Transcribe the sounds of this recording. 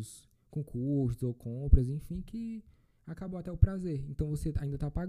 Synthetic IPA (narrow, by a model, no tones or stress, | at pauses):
ʊs | kõkʰuɾsʊzowkʰõpɾɐzẽfĩkɪ | akabowat̪ɛʊpɾazeɾẽnt̪ɐ̃w̃vosea̰ĩd̪ɐt̪apaɡ